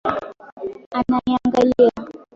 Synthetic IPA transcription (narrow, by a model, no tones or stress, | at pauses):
anaaŋɡalia